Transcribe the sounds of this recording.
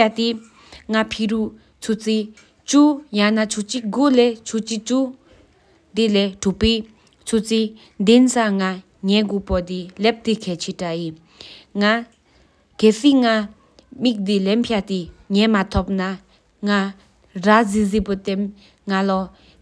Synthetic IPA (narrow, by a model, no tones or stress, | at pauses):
at̪i | ŋapʰiɹuʔ | t͡sʰut͡sʰi | t͡ɕujanat͡ɕʰut͡ɕiɡolɛt͡ɕʰut͡ɕit͡ɕu | d̪eleʈ͡ʂuʔpi | t͡sʰut͡sʰi | nd̪ensaŋa | ɲɛɡopɔd̪ilep̚t̪ikʰɛːt͡ɕʰeʈ͡ʂajin | ŋa | keːsiŋa | mik̚d̪ilempʰat̪iɲɛmat̪ʰop̚na | ŋa | razizipot̪en | ŋalɔ